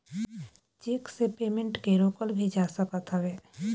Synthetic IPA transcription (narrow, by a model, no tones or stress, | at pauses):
t͡ʃeːksepeːmẽɳʈkeɾoːkəlbʱid͡ʒaːsəkət̪ɦəʋeː